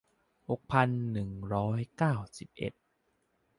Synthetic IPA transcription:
ho˨˩k̚pʰa˧nːɯ˨˩ŋɾɔː˦˥jkaː˥˩wsi˨˩p̚ʔḛ˨˩t̪̚

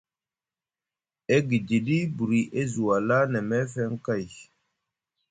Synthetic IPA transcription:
e˦ɡi˨di˨di˦bu˨ɾi˨ʔe˦zu˨wa˨la˦na˨me˦fe˦ŋ˦ka˦˨j

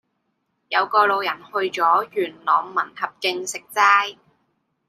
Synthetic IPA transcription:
jɐ˨˧wkɔː˧lo˨˧wjɐ˨˩nhɵ˧ɥt͡sɔː˨˥jyː˨˩nlɔː˨ŋmɐ˨˩nhɐ˨p̚kɪ˧ŋsɪ˨k̚t͡saː˥j

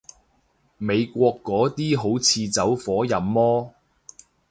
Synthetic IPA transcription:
me˨˧jkʷɔː˧kːɔː˨˥t̪iː˥ɦo˨˥wt͡sʰiː˧t͡sɐ˨˥wfɔː˨˥jɐ˨˥mːɔː˥

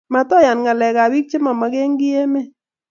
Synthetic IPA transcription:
ma˨tɔ˦ja˨nŋa˨lɛ˨ka˨wi˦k̚t͡ʃɪ˦ma˨ma˨˦ke˦ŋɡɪ˦je˦mɪ˦

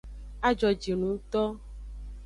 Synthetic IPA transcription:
a˦d͡ʒɔ˨d͡ʒi˨nũ˨˦t̪ɔ˦

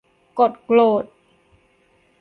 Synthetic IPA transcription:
ko˨˩t̪̚kloː˨˩t̪̚

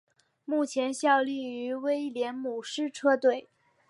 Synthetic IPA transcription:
mu˥˩t͡ɕʰjɛ˧˥nɕjɑ˥˧ʊli˥˩y˧˥we˥ɪljɛ˧˥nmu˨˩ʂɻ̩˥˧ʈ͡ʂʰɤ˥t̪we˥˩ɪ

